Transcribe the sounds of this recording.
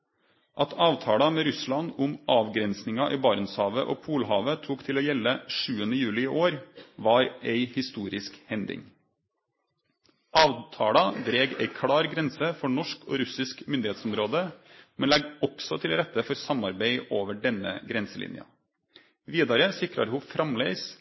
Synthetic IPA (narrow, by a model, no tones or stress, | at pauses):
ʔɑt̪ʰɑːʋt̪ʰɑːɽɑmeːɾʉslɑnʊmʔɑːʋɡɾɛnsnɪŋɑʔiːbɑːɾnshɑːʋəʔo̰ːpʰuːlɦɑːʋət̪ʰuːkt̪ʰɪloːjɛlːəʂʉːənəjʉːlɪɪʔoːɾʋɑːɾeɪhɪst̪uːɾɪskhɛnd̪ɪ̰ŋ | ɑːʋt̪ʰɑːɽɑd̪ɾeːɡɛ̰ɪkʰɽɑːɾɡɾɛnsəfɔɳɔʂkʰo̰ːɾʉsɪskmʏnd̪ɪheːt̪sɔmɾoːd̪əmɛnlɛɡɔksɔt̪ʰɪlɾɛt̪ːəfɔɾsɑmɑɾbæɪoːʋəɖɛnːə̰ɡɾɛnsəlɪ̰njɑ̰ | ʋiːd̪ɑɾəsɪkɾɑ̰ɾhʊfɾɑmleɪs